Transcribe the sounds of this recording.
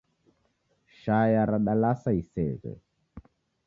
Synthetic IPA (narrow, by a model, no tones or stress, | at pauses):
ʃajaɾaɗalasaisɛɣɛ̰